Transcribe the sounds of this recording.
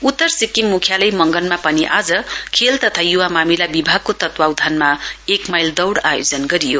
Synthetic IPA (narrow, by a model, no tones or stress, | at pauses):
ut̪ːʌɾsikːimːukʰjalɐjmʌŋɡʌlmapʌniʔad͡zʌkʰelt̪ʌt̪ʰajuwamamilabibʱaɡ̚kot̪ʌt̪wawd̪ʱanmaekmajld̪ʌwɽajod͡zʌnɡʌɾijo